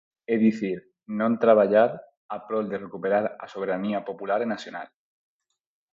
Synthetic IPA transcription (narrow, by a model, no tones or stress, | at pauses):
eðiθiɾ | nõnt̪ɾaβaʎaɾ | apɾo̞ld̪e̞rekupe̞ɾaɾaso̞βe̞ɾaniapo̞pulaɾenasjona̰l